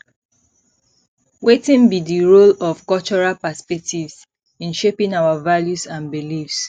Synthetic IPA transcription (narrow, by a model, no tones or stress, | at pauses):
wetĩnbidiɹolɔv̥kɔlt͡ʃɔɹalpaspɛk̚tʰivs | ĩnʃepĩŋawavaljusãnbilifs